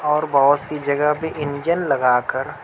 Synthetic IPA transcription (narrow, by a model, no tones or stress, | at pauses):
ɔːɾbɐɦʊt̪sid͡ʒɐɡəɦpeʔɪnd͡ʒənlɐɡaːkəɾ